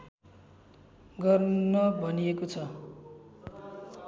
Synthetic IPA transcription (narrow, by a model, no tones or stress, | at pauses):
ɡʌrnʌbʱʌniekot͡sʰʌ